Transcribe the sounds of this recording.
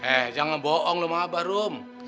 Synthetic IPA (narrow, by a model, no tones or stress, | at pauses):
ɛhd͡ʒaŋanbɔʔɔŋlomabahɾom